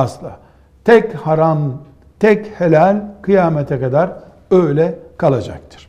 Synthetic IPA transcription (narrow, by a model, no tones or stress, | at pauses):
aslˠa̰ː | t̪ʰɛhaɾam | t̪ʰɛchelʲalʲkʰɯjaːmet̪ʰɛkad̪aɾ | øjlʲɛkʰalˠad͡ʒa̰k̚t̪ʰɯ̥ɾ̥